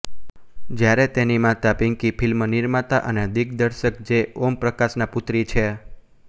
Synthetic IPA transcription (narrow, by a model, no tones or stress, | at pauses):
d͡ʒjaɾet̪enimãt̪apiŋkipʰɪlmənɪɾmat̪aʔəned̪iɡd̪əɾʃəkd͡ʒeompɾəkasnapʊt̪ɾit͡ʃʰe